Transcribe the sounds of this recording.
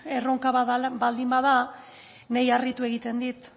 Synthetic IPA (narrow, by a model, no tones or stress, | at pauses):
e̞ro̞ŋkaβaðabald̪imbaða | nejarit̪ue̞ɣit̪e̞nd̪it̪